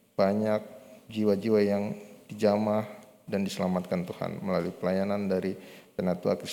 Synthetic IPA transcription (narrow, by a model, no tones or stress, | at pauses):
b̥aɲak̚d͡ʒiwad͡ʒiwajaŋd̥id͡ʒamahdandisəlamat̪̚kant̪uha̰nməlaluipəlajanandaɾitənat̪ua̰kɾis